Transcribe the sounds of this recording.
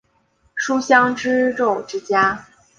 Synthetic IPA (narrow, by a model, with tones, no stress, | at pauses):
ʂu˥ɕjɑ˥ŋʈ͡ʂɻ̩˥ʈ͡ʂo˥˩ʊʈ͡ʂɻ̩˥t͡ɕja˥